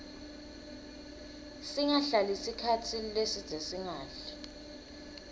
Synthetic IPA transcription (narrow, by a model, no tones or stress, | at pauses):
siŋaɬalisikʰatʰilesid̥z̥ʱesiŋaːɬɛ̥